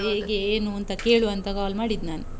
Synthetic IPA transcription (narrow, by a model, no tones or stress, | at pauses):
ɦeːɡeːnuɐnt̪ɐke̞ːɭuɐnt̪ɐkaːlmaːɽid̪naːnu